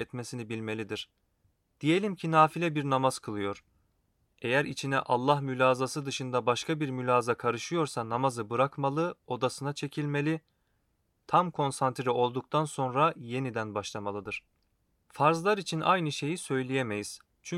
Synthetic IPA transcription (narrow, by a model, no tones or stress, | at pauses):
ɛt̪me̞sinibilʲme̞lʲid̪iɾ̥ | d̪̥ije̞lʲimcʰinaːfilʲɛbiɾnamaz̥kʰɯlˠɯjo̞ɾ̥ | e̞jæɾit͡ʃʰinɛ̰ʔa̰lˠːahmylʲaːzasɯd̪ɯʃɯnd̪abaʃkʰabiɾmylʲaːzakʰaɾɯʃɯjo̞ɾsanamazɯbɯɾakmalˠɯo̞d̪asɯnat͡ʃʰe̞cʰilʲme̞lʲi | t̪ʰamkʰo̞nsant̪ɾio̞lˠd̪uk̚t̪ʰanso̞nɾaje̞nid̪ænbaʃlˠamalˠɯd̪ɯɾ̥ | faɾzlˠaɾit͡ʃʰinʔa̰jnɯʃe̞jisø̞jlʲijeme̞jiz̥ | t͡ʃʰy